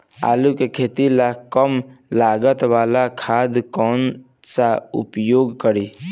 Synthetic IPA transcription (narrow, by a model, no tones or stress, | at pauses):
a̰lukekʰet̪ilakəmlaɡət̪ʋalakʰad̪kɔn | saṵpjoɡkəɾi